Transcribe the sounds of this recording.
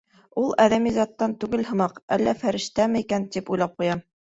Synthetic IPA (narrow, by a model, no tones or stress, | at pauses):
ulˠæðæmizɑt̪ːɑnt̪ʉɡɘlhɤ̆mɑqælːæfæɾɘ̆ʃt̪æmɘikænt̪ipujlˠɑp̚qujɑm